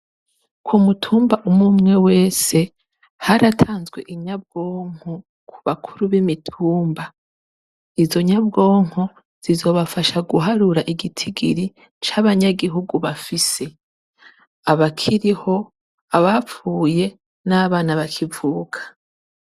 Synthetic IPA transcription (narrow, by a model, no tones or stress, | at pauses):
kʰumutʰuːmbaʔumumŋe̞we̞ːse̞ | haɾatʰaːnzɡwe̞̰ʔiɲab̚ɡo̞ːŋ̥ho | kʰuβakʰuɾuβimitʰuːmba | izo̞ɲabɡo̞ːŋ̥ho | z̥izo̞βafaʃaɡuɦaɾuɾaʔiɡitʰiɡḭɾi | t͡ʃaβaɲaɡiɦuɡuβafise̞ | aβakʰiɾiho̞ | aβap͡fuːje̞ | naβaːnaβakʰivuːkʰḁ